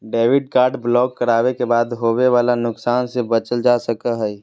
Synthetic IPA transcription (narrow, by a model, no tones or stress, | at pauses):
ɖeːʋɪɖ̚kaːɾɖblɔːkːəɾaːʋekebaːd̪ɦoːweʋaːlanʊksaːnsebət͡ʃəld͡ʒaːsəkaɦɛ